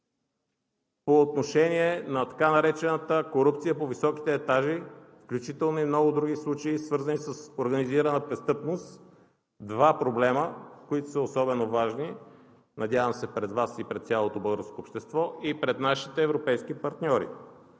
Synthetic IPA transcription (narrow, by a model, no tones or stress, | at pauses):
poːt̪noʃɛniɛnɐt̪ɐ̥kanɐɾɛt͡ʃɛnət̪əkoɾup̚t̪sijəpovisɔki̥t̪ɛːt̪aʒifklʲut͡ʃit̪ɛlˠnoimnɔɡʊd̪ɾuɡislˠut͡ʃəisvɤɾzənisəsoɾɡɐniziɾənəpɾɛst̪ɤpnost̪ | d̪vapɾoblɛməkoit̪o̥səosɔbɛnovaʒni | nɐd̪ʲavəmsɛpɾɛd̪vasipɾɛt̪t̪sʲalˠot̪obɤlˠɡəɾskoːpʃt̪ɛst̪vɔipɾɛt̪naʃi̥t̪ɛːvɾopɛjskipɐɾt̪nʲɔɾḭ